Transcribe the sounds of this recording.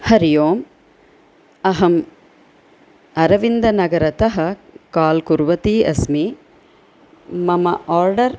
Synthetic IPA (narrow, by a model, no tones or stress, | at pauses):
hɐɾijoːm | ɐɦɐm | ɐɾɐʋind̪ɐnɐɡɐɾɐt̪ɐɦɐkaːlkuɾʋɐt̪iːɐsmi | mɐmɐʔaːɾɖɐɾ